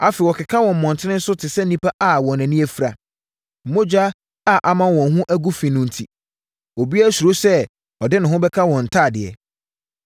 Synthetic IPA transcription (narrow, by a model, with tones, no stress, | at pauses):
a˦fɛ˨wɔ˨kʰɪ˨kʰa˦wɔ̃˨m̩˨mɔ̃˨ntʰɪ˦nɪ̃˦n̩˦sʊ˦tʰɪ˨sɛ˦n̩˦ĩ˦pʰa˦ʔa˨wɔ̃˨næ̃˨nĩ˦ɛ˦fɾa̰˨ | m̩˨mõ˦d͡ʑᶣa˦ | a˨ʔa˨mã˦wɔ̃˨nɦʊ̃˦ʔæ˦ɡu˦fĩ˨nʊ̃˦n̩˨tʰi˦ | o˨bi˦a˦su˨ɾo˦sɛ˦ | ɔ˨dɪ˦nʊ̃˨ɦʊ̃˦bɛ˦kʰa˦wɔ̃˨n̩˨tʰaː˦˨dɪ˨ɛ̰˨